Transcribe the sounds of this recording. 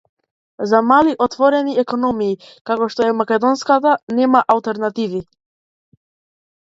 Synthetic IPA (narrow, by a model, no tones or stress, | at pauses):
zamaliʔɔt̪vɔɾɛniɛkɔnɔmiː | kakɔʃt̪ɔɛmakɛd̪ɔnskat̪anɛmaʔalˠt̪ɛɾnat̪ivi